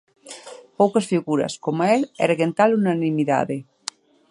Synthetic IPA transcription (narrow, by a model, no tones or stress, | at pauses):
powkasfiɣuɾɐ̰skomelɛ̰ɾeɣent̪alunanĩmiða̰ðe